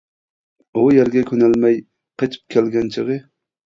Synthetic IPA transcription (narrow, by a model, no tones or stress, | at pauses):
ujɛɾɡʲɛkʲønɛlmɛj | qʰet͡ʃʰi̥p̚kʲʰælɡʲɛnt͡ʃʰəʁə